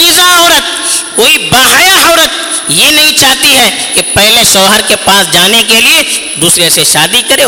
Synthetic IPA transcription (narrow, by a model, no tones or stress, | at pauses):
iːzaɔːɾət̪̚koːibaːɦaːjaɦɔːɾət̪̚ | jenɐɦĩt͡ʃaːɦt̪iɦɛkepɛɦleʃɐːɦəɾkepaːsd͡ʒaːnekelie | d̪uːsɾeseʃaːd̪ikɐɾeː